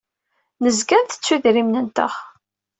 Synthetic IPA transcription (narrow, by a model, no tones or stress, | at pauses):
nəzɡænθə̥t͡sːuðɾimnənt̪ə̰χ